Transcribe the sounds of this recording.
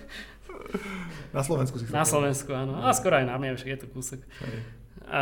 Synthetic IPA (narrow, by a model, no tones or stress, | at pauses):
naslɔʋɛnskus̬isnaslɔʋɛnskuanoaskɔɾɔajnamɲɛamɛʃɡjɛt̪ɔkuːsɔk | a